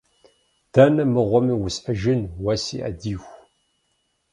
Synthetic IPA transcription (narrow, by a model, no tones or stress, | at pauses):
d̪̥anɐmɨʁʷɔmiwʊsəʒɨnwɐsḭʔa̰d̪iːxʷ